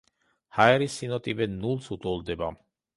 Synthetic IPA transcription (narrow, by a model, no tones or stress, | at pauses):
haɛɾisːinɔt̪ʼivɛnulˠsut̪ʼɔlˠd̪ɛba